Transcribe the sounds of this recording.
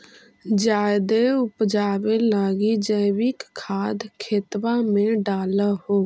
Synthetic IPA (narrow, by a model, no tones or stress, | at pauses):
d͡ʒaːd̪eʊpd͡ʒaːbelaːɡid͡ʒəːbɪkkʰːaːd̪kʰeːt̪wamẽɖaːlahoː